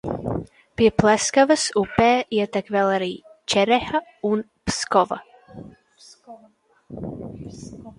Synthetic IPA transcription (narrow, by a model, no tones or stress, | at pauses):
piəpʰlɛskavəsupɛːiət̪akvɛlˠəɾit͡ʃɛɾɛhəun | pskɔvə̰